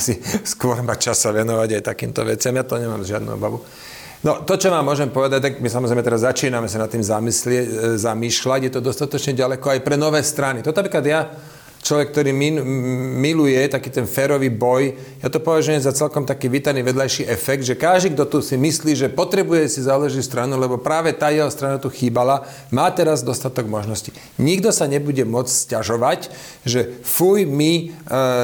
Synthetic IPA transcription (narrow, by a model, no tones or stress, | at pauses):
asiskʊɔɾbat͡ʃasaʋɛnɔʋaɟajt̪akḭːmt̪ɔ̰ʋɛ̰t͡sɪamjat̪ɔɲɛmaːmzʒɪad̪nṵɔ̰baʋu | nɔt̪ɔt͡ʃɔmaːmʊɔʒɛmpɔʋɛd̪ac̚t̪aɡmisamɔzɾɛɪjmɛt̪ɛɾazːat͡ʃiːnamɛsanat̪ːiːmzamislɪɛczamiːʃlaɟjɛt̪ɔd̪ɔst̪at̪ɔt͡ʃɲɛɟalɛkɔajpɾɛnɔʋɛːst̪ɾanit̪ɔnapɾiklad̪ja | t͡ʃlɔʋɛk̚t̪ɔɾiːmimilujɛt̪akiːt̪ɛnfɛːɾɔʋiːbɔj | jat̪ɔpɔʋaʒujɛmzat͡sɛlkɔmt̪akiːʋiːt̪aniːʋɛd̪lajʃiːʔɛfɛɡd̪ʒɛkaʒd̪iɡd̪ɔt̪usimisliːʒɛpɔt̪ɾɛbujɛsizaːlɛʒist̪ɾanulɛbɔpɾaːʋɛt̪aːjɛɦɔst̪ɾanat̪uxiːbala | maːt̪ɛɾazd̪ɔst̪at̪ɔɡmɔʒnɔsci | ɲiɡd̪ɔsaɲɛbuɟɛmɔt͡sscaʒɔʋac | ʒɛfujmi